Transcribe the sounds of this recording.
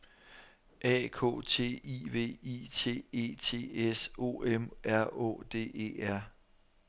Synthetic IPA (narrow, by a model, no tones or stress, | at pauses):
ʔɛ̰kʰo̰ːt͡sʰe̝̰ːiʋe̝̰ːit͡sʰe̝̰ːe̝̰ːt͡sʰe̝̰ːeso̝̰ːemʔæɐo̰̽ːd̥e̝̰ːe̝̰ːæɐ̰